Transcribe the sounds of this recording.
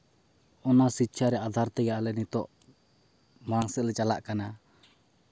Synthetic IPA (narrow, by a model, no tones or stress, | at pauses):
ɔnasit͡ʃʰaɾɛad̪aɾt̪ɛɡalɛnit̪ɔʔ | maɾaŋsɛʔlɛt͡ʃalaʔkana